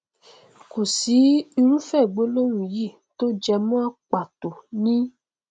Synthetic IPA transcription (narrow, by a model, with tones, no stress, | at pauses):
ko˨si˨˦i˧ɾ̃ũ˦fɛ˦˨ɡ͡bo˨˦lo˦wũ˨ji˦˨ | to˦d͡ʒɛ˧mã˦a˦k͡pa˨to˨nĩ˦